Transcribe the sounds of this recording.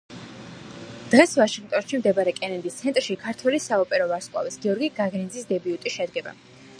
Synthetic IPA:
d̪̥ʁɛsvaʃĩŋɡt̪ʼɔnʃimd̪ɛbaɾɛkʼɛnɛnd̪ist̪sʰɛnt̪ʼɾʃikʰaɾt̪ʰwɛlisaɔpʼɛɾɔvaɾskʼwa̰vɛsɡiɔɾɡiɡaɡɾind̪zisd̪ɛbiut̪ʼiʃɛd̪ɡɛba̰

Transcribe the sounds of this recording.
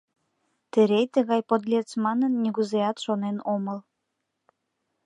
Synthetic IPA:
t̪ɘɾejt̪ə̆ɣɑjpod̪lʲet͡smɑnənːiɣuzeɑt̪ʃonenoməl

